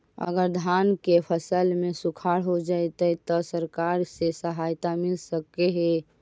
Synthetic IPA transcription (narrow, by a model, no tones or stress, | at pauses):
ə̰ɡəɾd̪ʱankepʰəsəlmesukʰaɽɦod͡ʒaet̪ət̪ɔsəɾkaɾsesəɦajt̪amilsəkeɦe